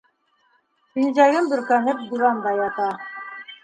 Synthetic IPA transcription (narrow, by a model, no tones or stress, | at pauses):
pinzæɡɘmbɵ̆ɾkænɘp̚d̪uβɑnd̪ɑjɑt̪ɑ